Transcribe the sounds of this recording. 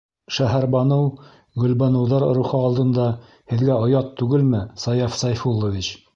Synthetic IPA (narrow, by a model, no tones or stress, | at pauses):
ʃæɦæɾbɑnɤw | ɡɵ̆lbɑnɤ̆wðɑɾɾuχɤɑlˠd̪ɤ̆nd̪ɑ | hɘ̆ðɡæŏjɑt̪ːʉɡɘlmɘsɑjɑfsɑjfulˠːovʲit͡ɕ